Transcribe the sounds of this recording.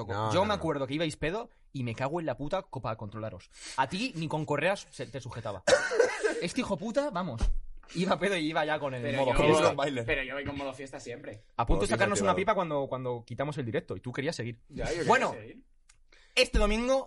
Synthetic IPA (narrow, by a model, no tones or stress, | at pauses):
kod͡ʒo̞meakwe̞ɾðo̞ke̞iβajspe̞ðo̞ | ime̞kaɣwe̞laput̪akopakont̪ɾo̞laɾo̞sat̪iniko̞ŋko̞reasset̪e̞suxet̪aβa̰ | e̞st̪ixo̞put̪aβamosiβape̞ðoiiβaʝako̞nelmoðoeobajleɾpeɾojoβajkomoðofje̞st̪asjempɾeapunt̪oesakaɾɾnosunapipakwand̪o̞kwand̪o̞kit̪amo̞s̬eld̪iɾek̚t̪oit̪ukeɾiasːe̞ɣ̞iɾabwe̞noeiɾ | e̞st̪eðo̞mĩŋɡo